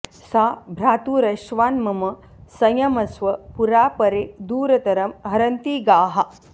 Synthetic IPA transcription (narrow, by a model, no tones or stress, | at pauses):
saːbʱɾaːt̪uːɾɐʃʋaːnmɐmɐ | sɐjɐmɐsʋɐpuɾaːpɐɾed̪uːɾɐt̪ɐɾɐmɦɐɾɐnt̪iːɡaːɦɐ